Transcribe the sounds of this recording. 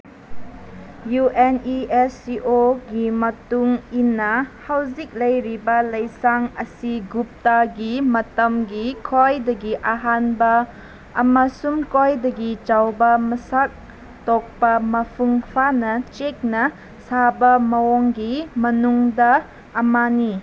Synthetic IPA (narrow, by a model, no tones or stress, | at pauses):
juʔeniesiʔoɡimɐtuŋinːɐhawzik̚lɐjɾibɐlɐjsaŋɐsiɡup̚taɡimɐtɐmɡikʰojdɐɡiʔaɦanbɐː | mɐsumkojdɐɡit͡ʃawbɐmɐsak̚ | tɔk̚pɐmɐpʰuŋpʰanɐt͡ʃek̚nɐ | sabɐmɐwoŋɡimɐnuŋdɐː | mani